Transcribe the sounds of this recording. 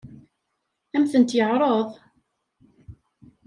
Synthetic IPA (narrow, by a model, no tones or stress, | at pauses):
æmθənt̪jəʕɾˤoðˤ